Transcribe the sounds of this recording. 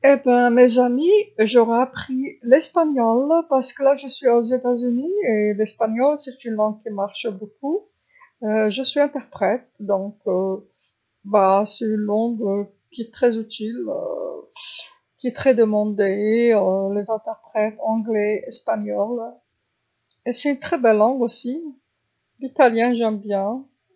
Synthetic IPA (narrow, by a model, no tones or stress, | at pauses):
ebɛ̃mezamiʒɔʁɛapχilɛspaɲɔlpaʁsə̥kəlaʒəsɥiozet̪azynielɛspaɲɔlsɛt̪ynlɑ̃ɡ̚kʲimaʁʃbok̚u | øʒəsɥiɛ̃t̪ɛʁpχɛt̪̚d̪ɔ̃kø | basɛt̪ynlɔ̃ɡə | kʲiɛt̪χɛzyt̪ilø̰ | kʲiɛt̪χɛd̪əmɑ̃d̪eølezɛ̃t̪ɛʁpχɛt̪ɑ̃ɡlɛɛspaɲɔl | esɛt̪ynt̪χɛbɛlːɑ̃ɡosi | lit̪aljɛ̃ʒɛmbjɛ̃